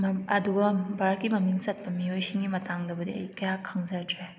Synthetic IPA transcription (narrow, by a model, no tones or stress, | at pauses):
mɐɐduɡɐbaɾkimɐmiŋsɐt̚pɐmiojsiŋɡimɐtʰaŋdɐbɐdiɐ̰jkɐjakʰɐŋzɐɾdɾe